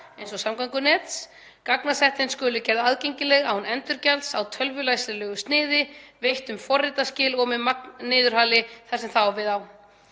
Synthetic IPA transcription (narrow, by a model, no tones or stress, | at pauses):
ejnsɔsamkaŋkʏnɛːt̪s | kaknasɛht̪ɪnskʏːlʏcɛɾðaðcejɲcɪlɛɣawhunɛnt̪ʏɾcɛlsawt̪ʰœlvʏlajsɪlɛɣʏst̪nɪːðɪvejht̪ʏmfɔrːɪt̪ascɪːlɔɣmɪmak̚nnɪːðʏɾ̥haːlɪθɛsːɛmθawɔvɪðaw